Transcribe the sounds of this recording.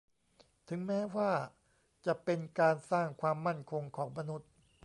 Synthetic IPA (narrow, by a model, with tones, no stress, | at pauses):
t̪ʰɯ˩˦ŋmɛː˦˥waː˥˩ | t͡ɕa˨˩pe˧nkaː˧nsaː˥˩ŋkʰwaː˧mːa˥˩nkʰo˧ŋkʰɔː˩˦ŋma˧nu˦˥t̪̚